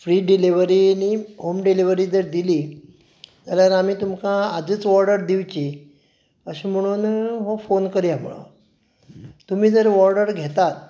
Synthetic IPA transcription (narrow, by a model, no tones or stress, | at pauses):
fɾiːɖiliʋəɾiniːɦomɖiliʋəɾiːd͡zəɾd̪iliː | d͡zaljaɾamiːt̪umkãad͡ziːt͡sʋɔɾɖəɾd̪iʋt͡ɕi | əɕiːm̤əɽ̃uːnɦofonkəɾjam̤uɭo̰ | t̪um̤iːd͡zəɾʋɔɾɖəɾɡʱet̪at̪̚